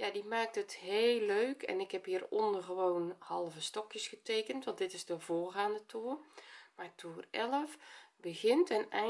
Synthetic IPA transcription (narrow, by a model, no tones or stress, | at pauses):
jadimaːk̚tətheːlːøːkʰɛ̰nɪkhɛphiːərɔndərɣəʋoːnhɑlˠvəstɔkjəsxətʰeːkəntʋɑntdɪtɪzdəvoːrɣaːndətʰuːrmatʰuːrɛləfbəɣɪntənɛ